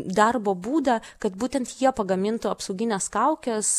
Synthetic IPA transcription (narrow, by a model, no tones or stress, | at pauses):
d̪ɐrboːbuːd̪ɐkɐt̪buːt̪ʲɛnt̪jiɛpɐɡɐmʲɪnt̪ʊɐpsɐʊɡʲɪnʲɛskɐʊkʲɛs